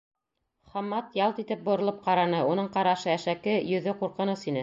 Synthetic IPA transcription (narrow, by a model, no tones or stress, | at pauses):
χɑmːɑt̪jɑlˠt̪it̪ɘp̚bŏɾɤ̆lˠɤp̚qɑɾɑnɤunɤɴqɑɾɑʃɤæʃækɘjɵ̆ðɘquɾqɤ̆nɤsinɘ